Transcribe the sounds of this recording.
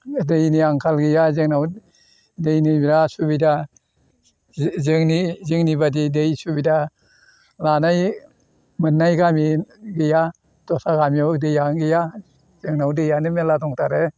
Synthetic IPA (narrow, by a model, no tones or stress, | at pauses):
dejniaŋkʰalɡijazɯŋnaw | dejnibɾasubida | zɯŋnizɯŋnibadidejsubida | lanaj | mɯnːajɡamiɡija | tɔsaɡamjɔdejaŋɡija | z̥ɯŋnawdɯjanɯmeladɔŋtaɾe